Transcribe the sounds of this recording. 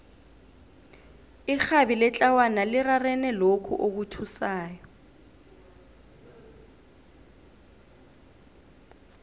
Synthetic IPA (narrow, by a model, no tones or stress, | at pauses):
ixabilɛt͡ɬʼawanalɪrarɛnɛlokʰṵʔok̬utʰusaːjɔ